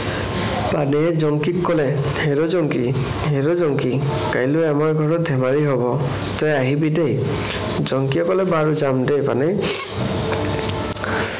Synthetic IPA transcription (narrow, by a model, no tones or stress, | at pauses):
panɛɛzɔŋkikkɔlɛ | heɹozɔŋki | heɹozɔŋki | kajlʊɛmaɹɡʱɔɹɔd̪ʱɛmaɹiɦobɔ | tɔjaɦibidej | zɔŋkiɛkɔlɛbaɹuzamdejpa̰nɛ